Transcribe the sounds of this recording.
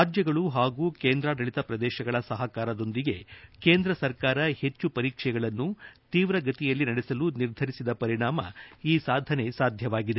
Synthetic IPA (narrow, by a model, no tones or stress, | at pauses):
aːd͡ʒjɐɡɐɭuɦaːɡuːkeːnd̪ɾaːd̪ɐɭit̪ɐpɾɐd̪ɛːʃɐɡɐɭɐsɐɦɐkaːɾɐd̪o̞nd̪iɡe̞keːnd̪ɾɐsɐɾkaːɾɐhe̞t͡ʃːupɐɾiːkʂɛɡɐɭɐnːut̪iːʋɾɐɡɐt̪ijɐlːinɐɽesɐluniɾd̪ʱɐɾisid̪ɐpɐɾiɳaːmɐiːsaːd̪ʱɐne̞saːd̪ʱjɐʋaːɡid̪e